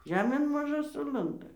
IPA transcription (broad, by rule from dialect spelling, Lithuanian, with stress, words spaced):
ˈʒʲæːmʲeːn mɐˈʒʊ ˈsʊlˠɐndɐ